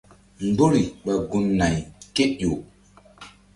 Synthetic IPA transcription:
m˨ɡ͡bo˦ɾi˨ɓa˨ɡu˨nːa˨jke˦ʔjo˨

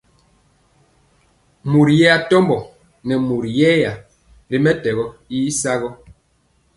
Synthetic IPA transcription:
mu˨ɾjɛ˦a˨tɔ˦mbɔ˨ | nɛ˨mu˨ɾjɛ˦ja˨ | ɾi˦mɛ˦tɛ˨ɣɔ˦i˦sa˦ɣɔ˦

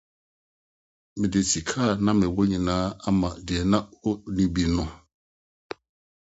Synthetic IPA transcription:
mɪ̃˨de˨si˨kʰaː˦˨nã˦mɪ̃˨wɔ˦ɲĩ˨nãː˦a˦mã˨dɪ˨ɛ˨nã˦o˦nĩ˦bi˨nʊ̃˦

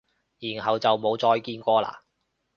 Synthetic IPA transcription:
jiː˨˩nɦɐ˨wt͡sɐ˨wmo˨˧wt͡sɔː˧jkiː˧nkʷɔː˧la̰ː˨˩

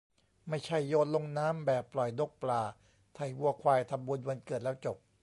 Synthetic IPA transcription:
ma˥˩jt͡ɕʰa˥˩jːoː˧t̪̚lo˧ŋnaː˦˥mbɛː˨˩pːlɔ˨˩jdo˦˥˩k̚plaː˧ | t̪ʰa˨˩jwu˧ɐkʰwaː˧jt̪ʰa˧mbu˧nwa˧nkɤː˨˩t̪̚lɛː˦˥wt͡ɕo˨˩p̚

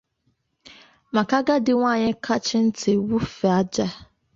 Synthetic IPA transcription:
ma˨ka˦ɡa˦dɪ˨ŋʷaː˦˨ɲɪ˦kʰa˦t͡ʃɪ˦n̩˦tʰɪ˨wu˦fɛ˨a˦d͡ʒa˦

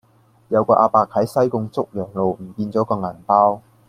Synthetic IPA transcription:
jɐ˨˧wkɔː˧ʔaː˧paː˧k̚hɐ˨˥jsɐ˥jkʊ˧ŋt͡sʊ˥k̚jœː˨˩ŋlo˨wm̩˨˩piː˧nt͡sɔː˨˥kɔː˧ŋɐ˨˩npaː˥w

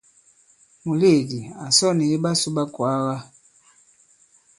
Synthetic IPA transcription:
mu˨le˦˨di˨a˨sɔ˦ni˨i˦ba˦su˦ba˦kwa˨˦ɣa˦

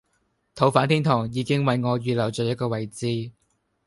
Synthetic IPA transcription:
t̪ʰo˨˥wfaː˨˥nt̪ʰiː˥nt̪ʰɔː˨˩ŋjiː˨˧kɪ˥ŋwɐ˨˧jŋɔː˨˧ɥyː˨lɐ˨˩wt͡ʃœː˨jɐ˥t̚kɔː˧wɐ˨jt͡siː˧

